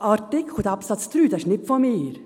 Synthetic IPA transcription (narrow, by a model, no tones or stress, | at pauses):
ɑɾtɪkxod̪ɑpsɑt̪t͡st̪ɾyːd̪ɛʃnɪpfɔmiːɾ